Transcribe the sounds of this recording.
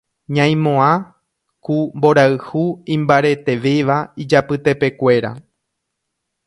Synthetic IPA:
ɲãj̃mõã | kumbo̞ɾaɨhuĩmbaɾe̞t̪e̞ʋeʋaid͡ʒapɨt̪e̞pe̞kʷe̞ɾa̰

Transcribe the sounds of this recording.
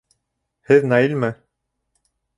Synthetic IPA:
hɘðnɑilmɘ

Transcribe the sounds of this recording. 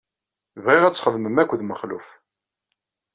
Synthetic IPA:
vʁiʁæt͡sːχəðˤməmækʷːðməχlṵf

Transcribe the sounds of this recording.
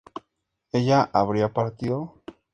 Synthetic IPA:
eʎaʔaβɾiapaɾt̪iðo

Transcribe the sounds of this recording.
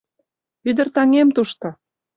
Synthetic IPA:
yd̪ə̆rt̪ɑŋemt̪uʃt̪ŏ

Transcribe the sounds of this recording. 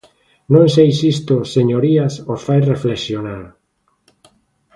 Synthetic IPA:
nõŋsejsist̪oseɲoɾiasofajrefleksjonaɾ

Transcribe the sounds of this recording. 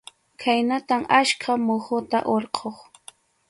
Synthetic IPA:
kʰajnat̪amaʃkʰamʊhʊt̪aʔoɾqʰoχ

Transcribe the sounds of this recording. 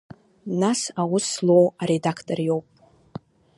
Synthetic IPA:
nasawʊslowaɾedakʰtʼorjo̞wpʼ

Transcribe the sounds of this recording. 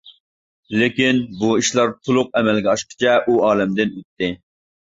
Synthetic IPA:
lɪkʲinbuiʃlˠɑɾt̪ʰolˠʊq̚ɛmɛlɡʲɛɑʃqə̥t͡ʃʰɛʔuɑːlɛmd̪ɪnøt̪ːɪ

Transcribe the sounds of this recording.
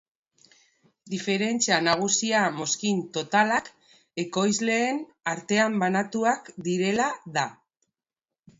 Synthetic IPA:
d̪ife̞ɾe̞nt͡sianaɣ̞usiamo̞skint̪o̞t̪alak | e̞ko̞jzle̞ːn | aɾt̪e̞ambanat̪uakd̪iɾe̞laða

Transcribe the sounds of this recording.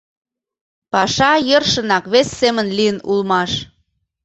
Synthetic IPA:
pɑʃɑjərʃə̆nɑkβesːemənliənulmɑʃ

